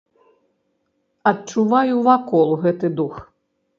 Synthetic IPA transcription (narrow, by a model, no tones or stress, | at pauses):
ɐt̚t͡ʂuvajuvakɔlˠɣɛt̪ɨd̪ux